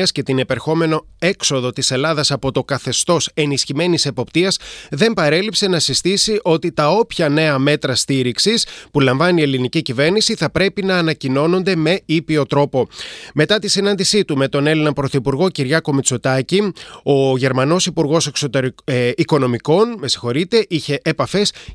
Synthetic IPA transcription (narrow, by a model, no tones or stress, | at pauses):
ɐsce̞t̪inepeɾxo̞me̞no̞e̞kso̞ðo̞t̪ise̞lɐðɐsɐpo̞t̪o̞kɐθe̞st̪o̞se̞nisçime̞nise̞po̞pt̪iɐsðe̞mpɐɾe̞lipse̞nɐsist̪isiʔo̞t̪it̪ɐo̞pçɐne̞ɐme̞t̪ɾɐst̪iɾiksispulɐɱvɐnie̞linicicive̞ɾnisiθɐpɾe̞pinɐːnɐcino̞no̞nd̪e̞me̞ipio̞t̪ɾo̞po̞me̞t̪ɐt̪isinɐnd̪isit̪ume̞t̪o̞ne̞linɐpɾo̞θipuɾɣo̞ciɾʝɐko̞mit͡sot̪ɐcio̞ʝe̞ɾmɐno̞sipuɾɣo̞se̞kso̞t̪eɾiko̞no̞miko̞nme̞si̥xo̞ɾit̪e̞ʔiçe̞ʔːpɐfe̞s